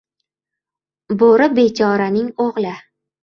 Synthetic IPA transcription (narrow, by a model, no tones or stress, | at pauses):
boɾɪbe̞t͡ʃʰɒɾanɪŋoʁlɪ